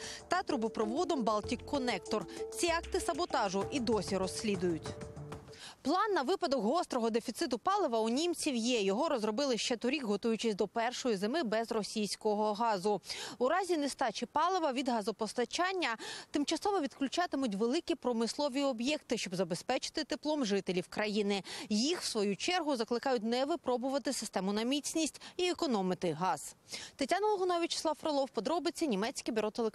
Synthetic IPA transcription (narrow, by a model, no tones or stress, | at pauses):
t̪ɑt̪ɾʊbʊpɾɔʋɔd̪ɔmbɑlˠtʲikːɔnɛkt̪ɔrt͡sʲiɑkt̪ɪsɐbɔt̪ɑʒʊʔid̪ɔsʲiɾɔsʲːlʲid̪ʊjʊtʲ | plˠɑnːɐʋɪpɐd̪ɔkɦɔst̪ɾɔɦɔd̪efʲit̪sɪt̪̬ʊpɑlˠɪʋɐunʲimt͡sʲiwjɛjɔɦɔɾɔzɾɔbɪlˠɪʃt͡ʃɛt̪ɔɾʲikɦɔt̪ujʊt͡ʃɪsʲd̪ɔpɛrʃɔjizemɪbɛzrɔsʲijsʲkɔɦɔɦɑzʊuɾɑzʲinest̪ɑt͡ʃɪpɑlˠɪʋɐʋʲid̪ɦɑzɔpɔst̪ɐt͡ʃɑnʲːɐt̪ɪmt͡ʃɐsɔʋɔʋʲid̪klʲʉt͡ʃɑt̪ɪmʊt̬ʲʋelˠɪkʲipɾɔmɪslˠɔʋʲiɔbjɛkt̪ɪʃt͡ʃɔbzɐbespɛt͡ʃɪ̥t̪ɪt̪ɪplˠɔmʐɪt̪elʲiwkɾɐjinɪjixw̥sʋɔjut͡ʃɛrɦʊzɐklˠɪkɑjʊt̚ʲnɛʋɪpɾɔbʊʋɐt̪ɪsɪ̥st̪ɛmʊnɐmʲit͡sʲnʲisʲtʲiekɔnɔmɪt̪ɪɦɑz̥t̪etʲanɔlˠɦɔnɔʋʲit͡ʃɪ̥slˠɑwfɾolˠɔwpɔd̪ɾɔbɪt͡sʲːɐnʲimɛt͡sʲkɪbʲiɾɔt̪elˠek